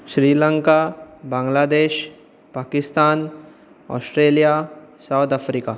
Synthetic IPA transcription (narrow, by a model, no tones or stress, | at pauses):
ʃɾiːləŋkabãŋɡlaːd̪eːʃ | paːkɪst̪aːn | ɔ̰ːsʈɾeːlijasawt̪afɾika